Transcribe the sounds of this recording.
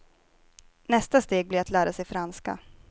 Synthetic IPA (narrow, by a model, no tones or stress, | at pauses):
nɛst̪ast̪eːɡ̚blɪɾat̪ʰlæːɾasɛjfɾanska̰